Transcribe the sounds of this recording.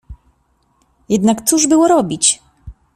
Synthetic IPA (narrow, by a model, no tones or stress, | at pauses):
jɛd̪nakt̪suʐbɘwɔɾɔbʲit͡ɕ